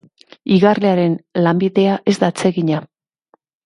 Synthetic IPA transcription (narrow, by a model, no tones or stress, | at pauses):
iɣarleaɾe̞nlambiðe̞aʔe̞zd̪at͡se̞ɣiɲa